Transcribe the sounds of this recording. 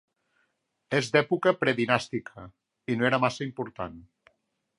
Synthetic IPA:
ezd̪ɛpukəpɾɛðinast̪ikʰə | inoeɾəmasəimpuɾt̪an

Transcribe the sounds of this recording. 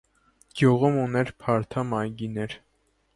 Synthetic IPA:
ɡ̥juʁumunɛɾpʰɑɾt̪ʰɑmɑjɡinɛɾ

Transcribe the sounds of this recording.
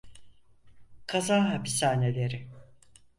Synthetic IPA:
kʰazaɦapi̥saːne̞lʲe̞ɾɪ

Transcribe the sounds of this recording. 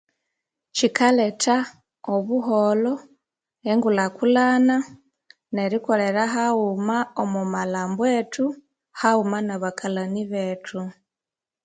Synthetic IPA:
ʃikaletʰa | oβuɦolo | eŋɡulakulana | neɾikoɾeɾaɦaumaomumalaːmbwetu | haumanaβakʰalaniβetʰu

